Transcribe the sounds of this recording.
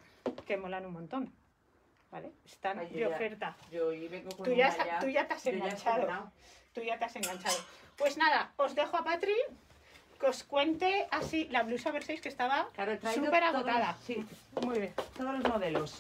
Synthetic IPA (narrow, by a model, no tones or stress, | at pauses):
ke̞mo̞lanunmont̪o̞n | baleest̪and̪eofe̞ɾt̪aoiβeŋɡokt̪uʝast̪uʝat̪aseŋɡant͡ʃaðot̪uʝat̪ease̞ŋɡant͡ʃaðo̞pwe̞znaðao̞zðe̞xoapat̪ɾi | keo̞skwe̞nt̪e̞asilaβlusaβeɾsejske̞st̪aβaklaɾot̪ɾsupe̞ɾaɣot̪aðasimuijβjent̪oðolozmoðelos